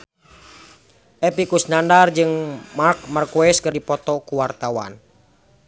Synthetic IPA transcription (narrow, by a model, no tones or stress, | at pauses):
ʔɛpikusnandard͡ʒɨŋmark̚markuɛskɨrdipɔt̪ɔkuwart̪awa̰n